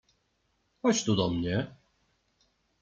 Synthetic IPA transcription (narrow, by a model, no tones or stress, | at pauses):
hɔt͡ɕt̪ud̪ɔmɲɛ